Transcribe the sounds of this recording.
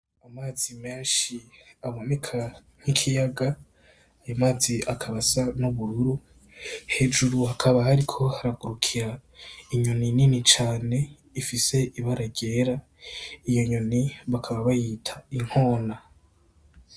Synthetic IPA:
amaːzime̞ːnʃiaβone̞kʰa | ŋ̥ikʰijaɡa | ajomaːziʔakʰaβasanuβuɾuɾu | he̞d͡ʒuɾuhakʰaβahaɾikʰo̞haɾaɡuɾukʰiɾaiɲonininit͡ʃaːne̞ | ifise̞ʔiβaɾaɟe̞ːɾa | ijo̞ɲoniβakʰaβaβajitʰaiŋ̥ho̞ːna

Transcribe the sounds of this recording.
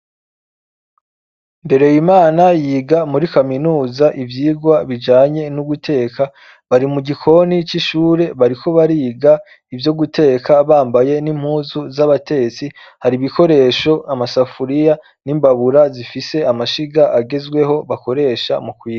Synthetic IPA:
mbe̞ɾe̞jimaːnajiːɡamuɾikaminuːzaʔivjiːɡwaβid͡ʒaːɲe̞nuɡutʰe̞ːka | βaɾimuɟikʰo̞nit͡ʃiʃuːɾe̞βaɾikʰo̞βaɾiːɡa | ivjo̞ɡutʰe̞ːkaβaːmbaje̞nim̥huːzuzaβate̞t͡si | haɾiβiko̞ɾe̞ːʃo̞amasafuɾija | nimbaβuɾazifise̞amaʃiɡaʔaɡe̞zɡwe̞ɦo̞βako̞ɾe̞ːʃamukwiːɡa

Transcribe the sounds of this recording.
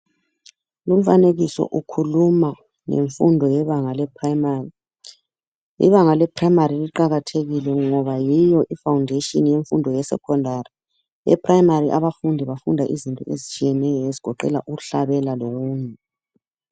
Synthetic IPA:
lum̩faneɣisɔ̰ʔukʰuluma | ŋḛɱfundʱɔjɛβaŋalɛpʰrmari | ḭβaŋalɛpʰraimariliǃaɣatʰeɣilɛŋɔβajijɔʔifawundʱeʃɔnjeɱfundʱɔjɛsɛ̰kʰɔndʱari | ɛ̰pʰraimariʔaβafundʱiβafundʱaʔizintʼɔ̰ezit͡ʃʼijɛnɛjɔeziɡ̥ʱɔǃɛ̰la̰ʔuɣuɬaβɛlaloɣuːɲɛ

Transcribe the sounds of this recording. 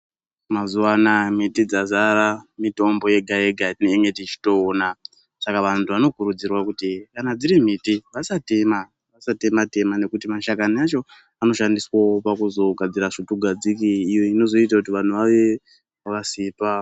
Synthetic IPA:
mazuwanamitid͡zazaɾamito̞mbo̞je̞ɡʱae̞ɡʱaineŋɡetit͡ʃi̥to̞ːna | sakaʋantʰuʋano̞kuɾud͡zirwakutikanad͡ziɾim̤itiʋasate̞ma | ʋasate̞mate̞mane̞kutimaʃakanaat͡ʃo̞ | ano̞ʃandiswaopakuzo̞ɡʱad͡ziɾaʐituɡʱad͡zikiːjoino̞zo̞it̬akutiʋan̤uʋaʋe̞ | kasiːpa

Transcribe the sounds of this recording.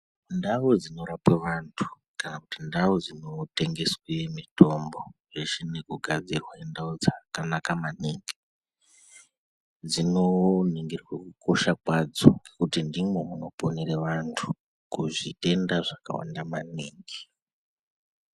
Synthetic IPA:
ndaʋod͡zino̞ɾapwe̞ʋantʰu̥ | kanakutindawod͡zino̞te̞ŋɡe̞swemito̞mbo̞ʐet͡ʃinekuɡʱad͡zirwaendaod͡zakanakamaniŋɡi̥ | d͡zino̞neŋɡerwekuko̞ʃakwad͡zoŋɡe̞kutindimwe̞muno̞po̞neɾeʋantʰu̥ | kuʐite̞ndaʐaka̰wa̰ndamaniːŋɡe

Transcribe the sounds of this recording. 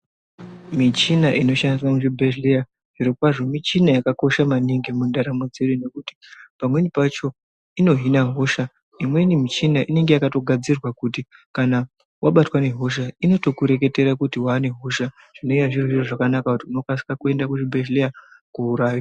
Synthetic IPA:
mit͡ʃinaʔino̞ʃandiswamuʐibʱeʃleja | ʐirokwaʐo̞mit͡ʃinajakako̞ʃamaniŋɡimundaɾamo̞d͡ze̞ɗune̞kuti̥pamwe̞nipat͡ʃo̞ | ino̞ɦinaɦo̞ʃa | imwe̞nimit͡ʃinaʔine̞ŋɡe̞jakato̞ɡʱad͡zirwakutikana | waɓatwane̞ɦo̞ʃ̬aino̞to̞kuɾe̞k̬e̞te̞ɾakutiwaːne̞ɦo̞ʃa | ʐ̥ino̞ijaʐiroʐiroʐakanakakutiuno̞kasi̥kakue̞ndakuʐibʱeʃleakuuɾaːjo

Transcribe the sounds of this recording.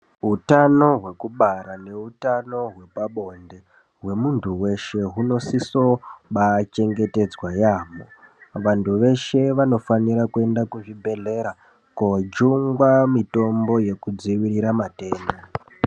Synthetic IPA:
ɦutano̞ɦwe̞kuɓaɾane̞utano̞ɦwe̞paɓo̞nde̞ | ɦwe̞muntʰuwe̞ʃe̞ɦuno̞siso̞ɓat͡ʃe̞ŋɡe̞te̞d͡zwajaːmo̰ | ʋantʰuʋe̞ʃe̞ʋano̞faniɾakue̞ndakuʐibʱe̞ɮe̞ɾa | kod͡ʒuŋɡwamito̞mbo̞je̞kud͡ziwiɾiɾamate̞ːnda

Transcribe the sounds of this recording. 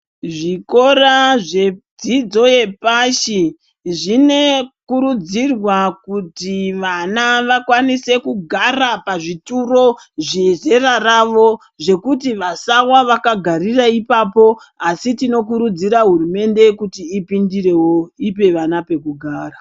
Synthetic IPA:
ʐiko̞ɾaʐe̞d͡zid͡zo̞je̞paʃi | ʐine̞kuɾud͡zirwakutiʋanaʋakwanise̞kuɡʱarapaʐituro̞ʐeʐe̞raraʋo̞ | ʐe̞kutiʋasawaʋakaɡʱariraipapo̞ | asitino̞k̬uɾud͡ziɾaɦurume̞nde̞kutiːpindire̞wo̞ip̬e̞ʋanape̞kuɡʱaːra

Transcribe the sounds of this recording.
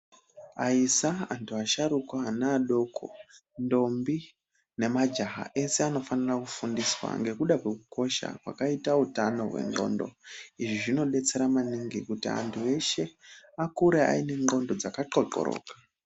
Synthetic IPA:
aisaantʰuaʃaɾukanaːɗo̞kʰo̞̰ndo̞mbi | ne̞mad͡ʒaɦa̰ʔe̞se̞ano̞fanirakufundiswa̰ŋɡe̞kuɗakwekuko̞ʃa̰kwa̰kaitautano̞̰ɦwe̞̰ŋɡo̞̰ndo̞̰iʐiʐino̞ɗe̞t͡se̞ɾamaniŋɡikutia̰ntʰue̞ʃe̞akuɾea̰ine̞ŋɡo̞ndo̞d͡zakaǃo̞ǃo̰ɾo̰ːkḁ

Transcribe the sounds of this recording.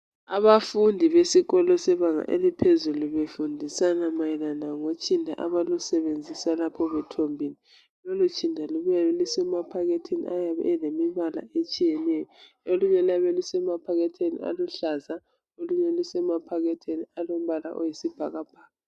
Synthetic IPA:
aβafundʱiβesiɣɔlɔsɛβaŋa̰ʔḛlipʰezuluβefundʱisanamajilanaŋot͡ʃʼindʱa̰ʔaβalusɛβend͡zʱisalapʰɔβɛtʰombʱini | lolut͡ʃʼindʱaluβjalisɛmapʰaɣetʰinḭʔajaβɛ̰ɛlemiβala̰et͡ʃʼijɛnɛjɔ | oluɲɛlaβɛlisɛmapʰaɣɛtʰenḭa̰luɬaza | oluɲɛlisɛmapʰaɣɛtʰenialom̩βala̰ʔojisib̥ʱaɣab̥ʱaːɣa

